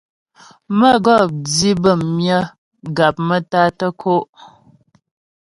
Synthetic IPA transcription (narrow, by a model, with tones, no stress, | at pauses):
mə˦˨ɡɔ˦˨p̚d͡zi˦bə˦˨mmjə˦ | ɡa˨p̚mə˦ta˦tə˦kʰo˦ʔ